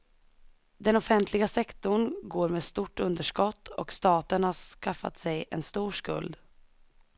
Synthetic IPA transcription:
d̪ɛnɔfɛnt̪ʰlɪɡasɛkt̪ʊɳɡoːɾmeːst̪uʈːɵnd̪əʂkɔt̪ːɔkst̪ɑːt̪əɳhaskafːa̰t̪sɛjʔɛ̰nst̪uːʂkɵ̰ld̪

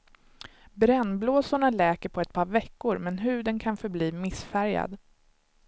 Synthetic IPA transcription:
bɾɛnːbloːsʊɳalɛːkəɾpʰɔɛt̪̚pʰɑːɾvɛkːʊɾmɛnɦʉ̟ːd̪ənkʰanfœɾbliːmɪsfæɾja̰d̪

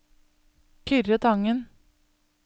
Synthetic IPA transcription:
kʰʏɾət̪ʰɑŋən

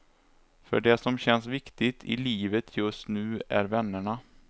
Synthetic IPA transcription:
fœ̰ɖɛsɔmɕɛnsvɪkt̪ɪt̪ʰɪ̰liːvət̪ʰjɵst̪nʉ̟ːæ̰ɾvɛnːəɳa

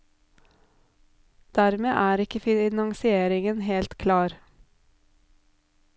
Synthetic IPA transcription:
d̪̥æːɾmḛːʔæːɾɪkəfɪnɑŋsɪeːɾɪŋənheːlt̪kʰlɑːɾ

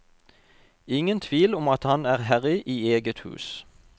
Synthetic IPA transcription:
ɪŋənt̪ʰʋiːlɔmɑt̪hɑnæːʁhæʁɪʔiːeːɡət̪hʉ̰ːs

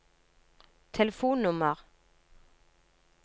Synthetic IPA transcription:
t̪ʰɛləfuːnnʊməʁ

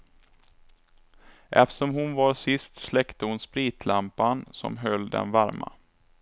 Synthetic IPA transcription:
ʔɛft̪ə̥ʂɔmhʊnvaɾsɪst̪slɛkt̪əhʊnspɾiːt̪ʰlampansɔ̰mɦœlːd̪ɛ̰nvaɾma̰

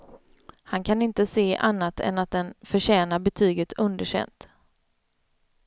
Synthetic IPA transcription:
hankʰanɪnt̪əseːʔanːat̪ʰɛ̰nat̪̚d̪ɛnfœɕɛːnabɛt̪ʰyːɡət̪ʰɵnd̪əɕɛ̰nt̪

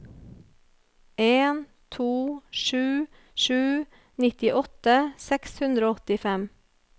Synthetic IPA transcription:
eːn | t̪ʰuːʃʉː | ʃʉː | nɪt̪ɪʔɔt̪əsɛkshʉnd̪ɾoːɔt̪ɪfɛm

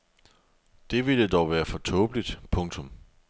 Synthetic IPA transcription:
d̥e̝ʋiləd̥ɒʊʋæːɐfɒ̽t͡sʰɔ̽ːb̥lid̥pʰɔ̽ŋt͡sʰɔ̽m

